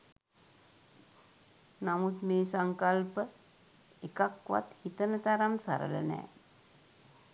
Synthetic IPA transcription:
namut̪meːsaŋkalpə | ekakʋa̰t̪hit̪ənət̪aɾamsa̰ɾə̰lə̰nɛ̰ː

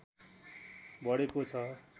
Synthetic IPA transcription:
bʌɽekot͡sʰʌ

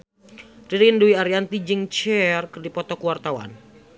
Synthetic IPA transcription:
riɾinduwiaɾiant̪id͡ʒɨŋt͡ʃɛrkɨrdipɔt̪ɔkuwart̪awa̰n

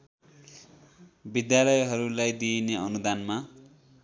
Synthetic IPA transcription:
bid̪jalʌjɦʌɾulajd̪ineʌnud̪anma

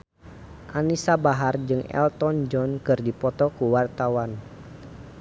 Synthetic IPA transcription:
ʔanisabaɦard͡ʒɨŋɛ̰lt̪ɔnd͡ʒɔnkɨrdipɔt̪ɔkuwart̪awan

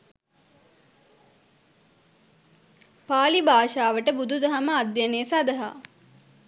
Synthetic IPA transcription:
paːlibaːʃaːʋəʈəbud̪ud̪ɐɦaməad̪janeːsad̪əɦa̰

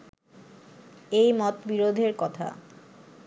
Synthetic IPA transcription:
ejmɔt̪biɾod̪ʱeɾkɔt̪ʰa̰

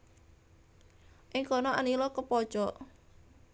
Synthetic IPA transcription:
ʔɪŋkɔnɔʔanilɔkəpɔd̥ʒ̥ɔʔ

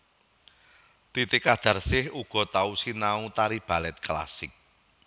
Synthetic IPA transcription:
t̪it̪ɪkad̪̥a̤rsɪhuɡ̥ɔ̤t̪ausinaut̪aɾib̥a̤lɛt̪̚kla̰sɪk̚

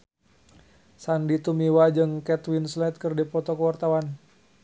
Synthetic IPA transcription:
sandit̪umiwad͡ʒɨŋkɛt̪winslɛt̪̚kɨrdipɔt̪ɔkəwart̪awan

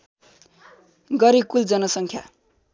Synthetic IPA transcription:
ɡʌɾikuld͡zʌnʌsʌŋkʰja̰

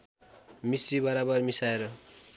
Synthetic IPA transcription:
misibʌɾabʌrmisaeɾʌ

